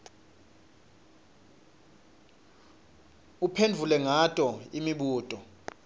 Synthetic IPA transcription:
upʰendʱulɛŋatʼɔimiɓuːtʼɔ

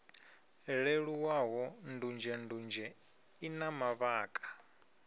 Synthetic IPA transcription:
ɺeɺuwaɦɔndund͡ʒɛndund͡ʒɛ | inamaβaːkʼḁ

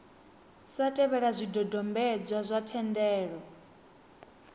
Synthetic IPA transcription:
satʼɛβɛɺazʷidɔdɔmbɛd͡zʷazʷatʰɛndɛːɺɔ

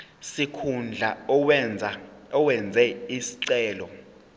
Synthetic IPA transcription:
sikʰund͡ɮʱa | ɔwɛnd͡zʱɛisi̥ǀɛːlɔ

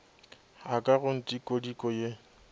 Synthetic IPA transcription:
akʼaɣʊn̩tʼikʼodikʼɔje

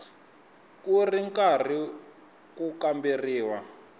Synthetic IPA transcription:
kuriŋkari | kukambiriːwa

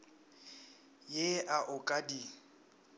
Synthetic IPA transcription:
jeaʔʊkʼadi

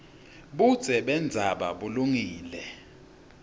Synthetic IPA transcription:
ɓud̥z̥ʱɛɓɛnd͡zʱaɓa̰ɓuluŋiːlɛ

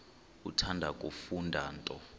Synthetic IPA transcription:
utʰandʱakʼufundʱaːntʼɔ

